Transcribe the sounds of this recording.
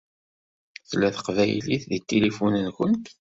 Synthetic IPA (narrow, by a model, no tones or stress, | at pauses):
θlːæθə̥qvæjliθðit̪ːelifunənxʊnt̪